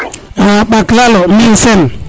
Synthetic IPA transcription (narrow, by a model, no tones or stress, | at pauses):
aɓaklalominsɛn